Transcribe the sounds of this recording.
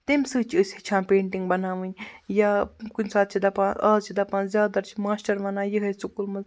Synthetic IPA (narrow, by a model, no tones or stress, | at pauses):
t̪emsɨːt͡ʃʰiɨsʲit͡ʃʰãːpeːɳʈiŋɡbɐnaːʋɨ̃nʲjaːkunʲsaːt̪̚t͡ʃʰid̪ɐpãːaːzt͡ʃʰid̪ɐpãːnzʲjaːd̪ɐɾt͡ʃʰimaːsʈɐɾʋɐnãːjiɦɐsukulmɨz